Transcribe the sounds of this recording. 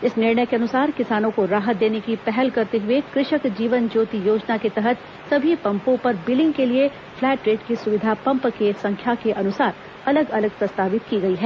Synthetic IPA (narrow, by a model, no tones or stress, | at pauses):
ɪsnɪɾɳəjkeɐnʊsaːɾkɪsaːnõkoɾaːɦət̪̚d̪eːnekipɛɦɛlkɐɾt̪eɦʊekɾɪʃəkd͡ʒiːʋənd͡ʒoːt̪ijoːd͡ʒnaket̪ɛɦət̪ | sɐbʱipɐ̃mpõpɐɾbɪlɪ̃ŋɡkelie | flɛːʈɾeːʈkisʊʋɪd̪ʱapɐ̃mpkesɐ̃ŋkʰjakeʔɐnʊsaːɾ | ɐləɡɐləɡ̚pɾɐst̪aːʋɪt̪̚kiɡɐiɦɛː